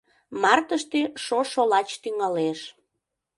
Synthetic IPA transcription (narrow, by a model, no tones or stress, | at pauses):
mɑrt̪əʃt̪eʃoʃolɑt͡ɕt̪yŋɑleʃ